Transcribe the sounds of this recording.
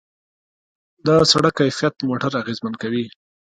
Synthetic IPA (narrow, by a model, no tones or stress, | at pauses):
d̪əsaɽakːajfjat̪̚moʈaɾaɣezmankawi